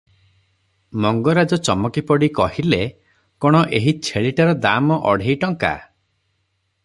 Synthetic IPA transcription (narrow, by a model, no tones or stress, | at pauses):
mɔŋɡɔɾad͡ʒɔt͡ʃɔmɔkipɔɽikɔɦile | kɔɽ̃ɔʔeɦit͡ʃʰeɭiʈaɾɔd̪amɔʔɔɽ̤ʱejʈɔŋka̰